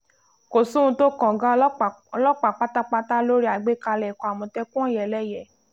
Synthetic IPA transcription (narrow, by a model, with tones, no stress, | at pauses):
ko˨sũ˦ũ˧to˦kɔ̃˨ɡã˦ɔ˧lɔ˦k͡pa˨k͡pa˦ta˦k͡pa˦ta˦lo˦ɾi˦a˨ɡ͡be˦ka˧lɛ˨kɔ˨a˨mɔ̃˧tɛ˦kũ˦ɔ̃˦˨jɛ˨lɛ˦˨jɛ˨